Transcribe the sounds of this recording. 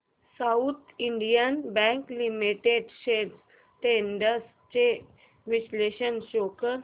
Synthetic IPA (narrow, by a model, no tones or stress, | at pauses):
saut̪ʰiɳɖijənbɛ̃ŋklimiʈeɖʃeːɖs | ʈenɖəs | t͡ʃe | ʋɪʃleːʃənʃoːkə